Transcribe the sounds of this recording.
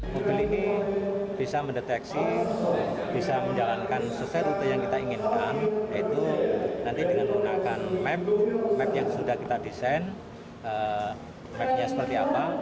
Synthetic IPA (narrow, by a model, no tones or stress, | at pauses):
mobilini | b̥isaməndet̪ɛksi | bisaməɲd͡ʒalankansəsɛut̪əjaŋkit̪aiŋɪnkanjait̪unant̪idəŋanməŋunakanmɛp̚mɛp̚jaŋsudahkit̪adisan | ə | mɛp̚ɲasə̥pərt̪iapa